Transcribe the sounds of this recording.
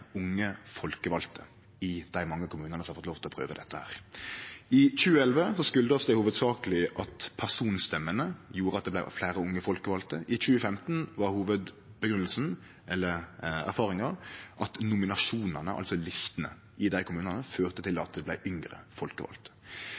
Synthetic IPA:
ʊŋːəfɔlkəʋɑlt̪ʰə | ɪd̪̥æɪmɑŋːəkʰʊmʉːnənəɔɑfɔt̪loːʋt̪ɪlɔpʰʁø̰ːʋəd̪ɛt̪ːəhæ̰ːʁ | ɪc͡çʉːəɛlʋəsɔskʉld̪əɔsd̪ɛhuːʋəd̪sɑːkəlɪʔɑt̪pʰæʁsuːnst̪ɛmːənəjuːɾəɑt̪̚d̪ɛb̪æɪflæːɾəʊŋːəfɔlkəʋɑlt̪əʔɪc͡çʉːəfɛmt̪n̩ʋɑʁhuːʋəd̪ | bəɡɾʉnəlsn̩ | ɛlːəʁæ̰ɾfɑːʁɪŋɑʁʔɑt̪nʊmɪnɑʂuːnɑnəʔɑ̰sɔlɪst̪ənə̰ | ʔɪd̪æɪkʰʊmʉːnɑnəføːʁt̪ət̪ɪlɑt̪̚d̪ɛblæɪʔʏŋɾə̰fɔlkəʋɑ̰lt̪ə̥

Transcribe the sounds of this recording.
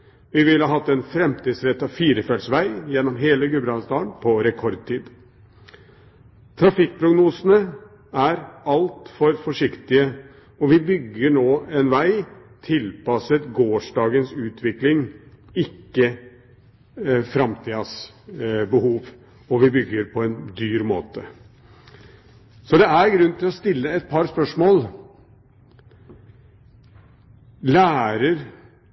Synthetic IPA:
ʋɪʋɪlhɑɦɑt̪ːɛnfɾɛmt̪iːd̪sɾɛt̪ːɑʋfiːɾəfɛlsʋæɪjɛnːɔmɦeːləɡʉbɾɑnsd̪ɑːənpʰɔɾɛkʰɔɾd̪̚t̪ʰiːd̪ | t̪ʰɾɑfɪk̚ːpʰɾʊɡnuːsənə | æɾɑlt̪fɔɾfɔʂɪkt̪ɪə | ɔʋɪbʏɡːəɳoːɛnʋæɪ | t̪ʰɪlpɑsət̪ɡoːʂɖɑːɡənsʉːt̪ʰʋɪklɪŋ | ɪkːə | fɾɑmt̪ʰiːɑs | bəhuːʋ | ɔʋɪbʏɡːəɾpʰɔɛnd̪yːɾmoːt̪ə | sɔd̪ɛæɾɡɾʉnːt̪ɪlɔst̪ɪlːəɛt̪̚pʰɑɾspœʂmoːl | læːɾəɾ

